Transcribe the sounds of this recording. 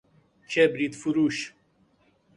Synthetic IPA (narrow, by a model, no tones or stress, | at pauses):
t͡ʃebɾit̪fuɾuʃ